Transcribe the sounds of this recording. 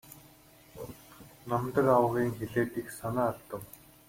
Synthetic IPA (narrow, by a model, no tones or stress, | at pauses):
namt̪ə̆kawə̆ʁiːŋxeɮeːt̪ixsanaːɮt̪ə̆w